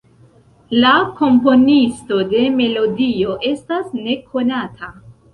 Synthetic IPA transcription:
lako̞mpo̞nisto̞de̞me̞lo̞dio̞ʔe̞stasne̞kʰo̞natʰa

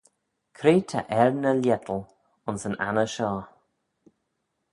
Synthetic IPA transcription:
kʰɾeːtʰa̰ʔɛɹnəljɛt̪ʰəl | ʊnsəna̰nəʃɔː

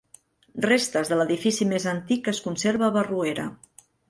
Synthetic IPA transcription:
rest̪əzðələðifisimezənt̪ikəskunseɾβəːβərueɾə̰

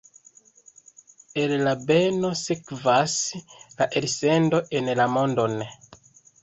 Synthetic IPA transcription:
ellabenosekvaslaʔelsendoʔenlamondone

